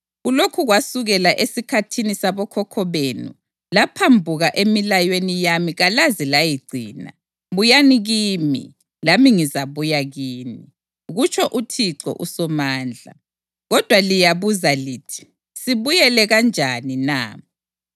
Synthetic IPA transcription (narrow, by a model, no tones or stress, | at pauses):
ɣulokʰuɣwasuɣɛlaʔesikʰatʰinisaβɔkʰɔkʰɔβenṵ | lapʰambʱuɣaʔemilajwenijamiɣalazilajiɡ͡ǀʱḭːna̰ | βujaniɣimḭ | lamiŋizaβujaɣiːni | ɣut͡ʃʰʼɔʔutʰiǀɔ̰ʔusɔmaːnd͡ɮʱa̰ | ɣɔd̥ʱwalijaβuzaliːtʰi̥ | siβujɛlɛɣand͡ʒʱaninaː